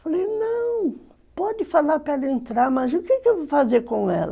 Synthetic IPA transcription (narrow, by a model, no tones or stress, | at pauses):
falejnɐ̃w̃ | pɔd̪ɪfalaɾpɾɐɛlɐẽnt̪ɾaɾmɐzʊkɪkɪewvowfazeɾkõɛ̰lɐ